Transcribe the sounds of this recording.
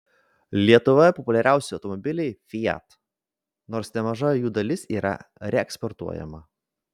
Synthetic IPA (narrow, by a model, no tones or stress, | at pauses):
lʲiɛt̪ʊʋɐpɔpʊlʲɛɾʲʔæˑʊsʲɪɔʊt̪ɔmɔbʲɪlʲɛɪfʲɪjɛ̰t̪ | noːɾsnʲɛmɐʒɐjuːd̪ɐlʲɪsiːɾɐ̰ɾʲɛɛkspɔɾt̪ṵɔjɛ̰mɐ